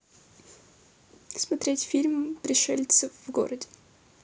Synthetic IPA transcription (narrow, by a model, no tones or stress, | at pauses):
smɐt̪ɾʲetʲfʲilʲmpɾʲɪʂɛlʲt̪səvɡo̰ɾədʲɪ